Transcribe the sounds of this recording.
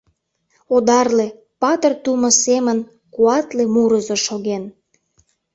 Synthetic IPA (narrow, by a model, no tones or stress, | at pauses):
od̪ɑrle | pɑt̪ərt̪umə̆semən | kuɑt̪lemuɾəzoʃoɣen